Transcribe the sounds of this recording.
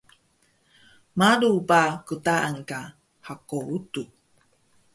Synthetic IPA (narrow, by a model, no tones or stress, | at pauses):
maɾupakutaʔaŋka | hakoutu